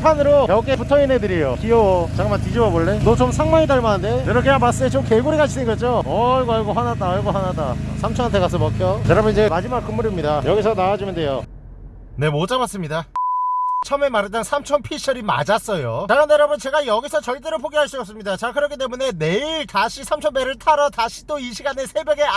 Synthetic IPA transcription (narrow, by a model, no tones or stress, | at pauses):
pʰanɯɾojʌkʰepʰutʰʌinɦedɯɾejokiowʌt͡ɕaɡɯmatid͡ʑibʌboɭːenot͡ɕomsʰaŋmaŋidaɭmanɯndejʌɾʌkʰeamas͈ɯet͡ɕomkeɡuɾiɡat͡ɕʰidʰɯnɡʌd͡ʑoʌɭɡoaɭɡoɸwanat͈aɭɡoɦwanat͈asʰamt͡ɕʰʌnantʰekas̬ʰʌmʌkʰjoteɾabʌnid͡ʑemad͡ʑimak͈̚ɯmːuɾimɲidajʌɡisʰʌnawad͡ʑimʌndejo | ne̞mot͡ɕ͈amas͈ɯmɲida | t͡ɕʰʌme̞maɾet̬͈ʌnsʰamt͡ɕʰʌnpʰiɕʰʌɾima̰d͡ʑas͈ʌjotaɾɯndeɾabʌnt͡ɕe̞ɡajʌɡisʰʌt͡ɕʌɭt͈e̞ɾoɭpʰoɡiɦaɭs͈uʌpsɯmɲidat͡ɕeɡakɯɾʌkʰit͈e̞mune̞neiɭtaɕʰisʰamt͡ɕʰʌnbeɾɯɭtʰaɾʌtaɕʰi̥t͈oiɕʰiɡanesʰe̞bjʌɡe̞